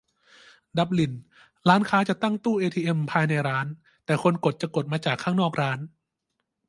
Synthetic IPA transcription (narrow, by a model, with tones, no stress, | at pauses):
da˨˦p̚li˨˩n | ɾaː˦˥nkʰaː˦˥t͡ɕa˨˩t̪a˥˩ŋt̪uː˥˩ʔeː˧t̪ʰiː˧ʔe˧mpʰaː˧jna˧jɾaː˦˥n | t̪ɛː˨˩kʰo˧nko˨˩t̪̚t͡ɕa˨˩ko˨˩t̪̚maː˧t͡ɕaː˨˩kʰːaː˥˩ŋnɔː˥˩k̚ɾaː˦˥n